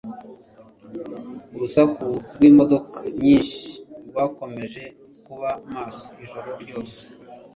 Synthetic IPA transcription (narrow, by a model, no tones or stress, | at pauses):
uɾusakuɾɡwiːmo̞do̞kʰḁɲiːnʃi̥ɾɡwaːko̞me̞ʒe̞ | kuβamaːso̥iʒoɾo̞ɾɟo̞ːse̥